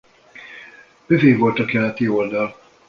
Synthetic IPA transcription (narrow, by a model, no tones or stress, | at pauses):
b̥øveːvo̞lt̪ɒkɛlɛt̪io̞ld̪ɒl